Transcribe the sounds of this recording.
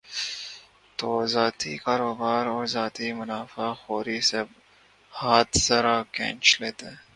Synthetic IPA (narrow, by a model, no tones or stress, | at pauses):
t̪oːzaːt̪ikaːɾoːbaːɾoːɾzaːt̪imʊnaːfaxoːɾiseb | haːt̪zɐɾakḛ̃ːnt͡ʃleːt̪eː